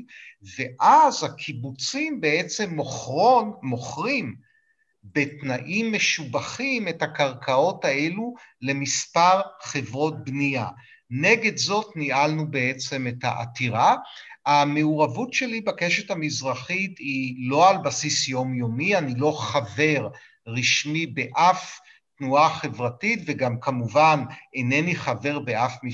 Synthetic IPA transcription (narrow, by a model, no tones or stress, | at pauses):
ve̞ʔazhakʰibut͡simbe̞et͡se̞m | moχʁim | be̞tnaʔimːe̞ʃubaχime̞thakaʁkʰao̞tae̞lule̞mispaʁχe̞vʁo̞t̚bnia | ne̞ɡe̞dzo̞tniʔalnube̞e̞t͡se̞metha̰ʔa̰tiʁaame̞uʁavutʃe̞libake̞ʃethamizʁaχitilo̞albasisjo̞mjo̞mianilo̞χave̞ʁ | ʁiʃmibe̞ʔaf | tnuaχe̞vʁatitveɡamkamuvanene̞niχave̞ʁbe̞afmi